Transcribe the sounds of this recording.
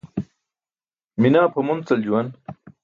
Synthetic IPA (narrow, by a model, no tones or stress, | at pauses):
minaːpʰɐmunt͡sɐld͡ʑuwɐn